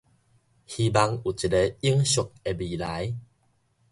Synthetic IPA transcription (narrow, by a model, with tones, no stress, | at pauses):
hi˧ba˧ŋu˨˩t͡ɕi˨˩e˧i˦əŋɕu˨k̚e˧bi˨˩la˨˦j